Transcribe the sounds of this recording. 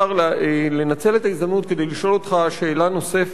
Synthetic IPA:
aʁlle̞nat͡se̞le̞t̪aizd̪amnut̪kede̞jliʃʔo̞lo̞tχaʃe̞ːlano̞se̞f

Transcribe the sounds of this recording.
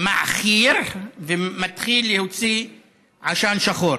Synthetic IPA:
maʔaχiɾvemat̪χilːehot͡si | ʕaʃanʃaχoɾ

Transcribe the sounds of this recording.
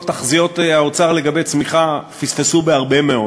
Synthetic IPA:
taχzijo̞taot͡saʁle̞ɡabejt͡smiχafisfesubeaʁbe̞meo

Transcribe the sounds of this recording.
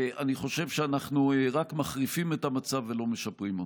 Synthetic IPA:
aniχo̞ʃe̞vʃeanaχnuʁakmaχʁifimetamat͡savelo̞meʃapʁimo

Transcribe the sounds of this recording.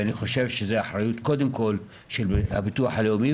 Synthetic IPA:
aniχo̞ʃevʃezeaħɾajut̪ko̞d̪emko̞l | ʃelha̰bit̪uaħaleumi

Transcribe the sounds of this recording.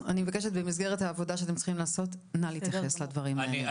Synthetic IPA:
animevakeʃetbemisɡeʁethaːvo̞daʃeate̞mt͡si̥χimlaːso̞t̪ | naliːt̪jaχesladvɐʁimaaele

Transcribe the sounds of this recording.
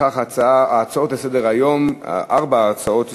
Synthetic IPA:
aχat͡saaaːt͡saot̪besɛd̪eʁajomʔaʁbaːt͡saot̪

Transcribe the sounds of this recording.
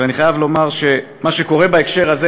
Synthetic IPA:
eaniχajavlo̞maʁʃe̞ | maʃeko̞ʁe̞baekʃe̞ʁaze

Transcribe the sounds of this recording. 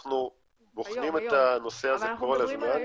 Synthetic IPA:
χnu | boχnimet̪ano̞seazekolazman

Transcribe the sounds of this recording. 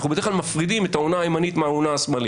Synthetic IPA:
χnubeeχlalmafʁid̪imet̪aonaːjmanit̪meaonaːsmali

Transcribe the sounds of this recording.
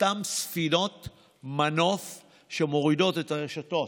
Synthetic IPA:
tamsfinot | mano̞f | ʃemo̞ʁido̞tetaeʃato̞

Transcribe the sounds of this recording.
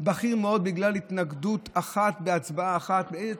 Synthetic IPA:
baχiʁmeo̞d̪̚biɡlalit̪naɡd̪ut̪ʰaχat̪beat͡sbaaːχat̪beeze

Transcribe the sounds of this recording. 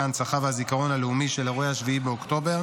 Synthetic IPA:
ant͡saχavhazikaʁo̞nhaleumiʃe̞laʁehaʃviibeokt̪o̞be̞ʁ

